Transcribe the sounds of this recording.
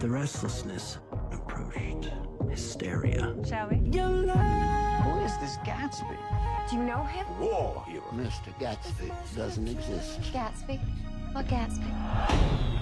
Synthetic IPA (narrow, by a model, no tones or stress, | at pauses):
ðɨɹɛstˡləsnɨs | ɨpʰɹ̥oʊt͡ʃt | hɨstɛ̰ɹḭɨ̰ʃoidonowʌɨzðɪsɡ̥ætsb̥ḭd̥ɨjɨnoʊɪ̃mwɛ | ɨ̰mɪstə˞ɡætsb̥i | dʌz̃n̩tɨɡzɪstɡ̥ætsb̥iwʌɡ̥ætsb̥i